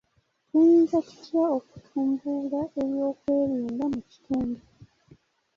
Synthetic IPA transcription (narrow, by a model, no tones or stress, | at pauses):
tunzaci̥tjao̞ku̥tʰuːmbulaʔe̞ɾjo̞ːkwe̞ːɾiːndamuci̥tuːnde